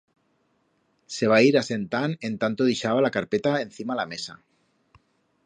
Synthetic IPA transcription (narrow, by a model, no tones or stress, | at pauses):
se̞β̞aiɾase̞nt̪ane̞nt̪ant̪oðiʃaβalakaɾpet̪aen̟θimalame̞sa